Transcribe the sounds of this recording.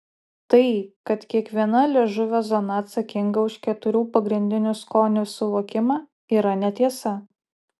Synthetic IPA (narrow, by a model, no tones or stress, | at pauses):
t̪ɐɪkɐt̪kʲiɛkʋʲiɛnɐlʲeʒʊʋʲoːzɔnɐːt̪sɐkʲɪŋɡɐʊʃkʲɛt̪ʊɾʲuːpɐɡɾʲɪnʲd̪ʲɪnʲʊskoːnʲʊsʊʋoːkʲɪmɑː | iːɾɐnʲɛt̪ʲiɛsɐ